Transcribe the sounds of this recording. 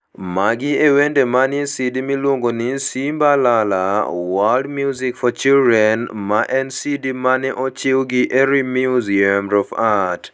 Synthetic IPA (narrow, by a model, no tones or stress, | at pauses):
maɡɪewendemanɪsidimilwoŋɡonɪsimbalalawaldmjuzikfɔt͡ʃildɾɛnmaʔɛnsidimanɛʔɔt͡ʃɪwɡɪʔeɾimjuziamɾɔfat